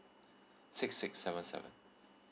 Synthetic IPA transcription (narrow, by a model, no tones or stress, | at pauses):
sɪksɪksːɛvə̃nsɛ̰və̰̃n